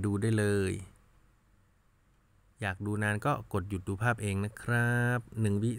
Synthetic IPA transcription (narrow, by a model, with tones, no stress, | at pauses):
duː˧daː˥˩jlɤː˧j | jaː˨˩k̚duː˧naː˧nkɔː˥˩ko˨˩t̪̚ju˨˩t̪̚duː˧pʰaː˥˩p̚ʔeː˧ŋna˦˥kʰɾa˦˥p̚nɯ˨˩ŋwi˦˥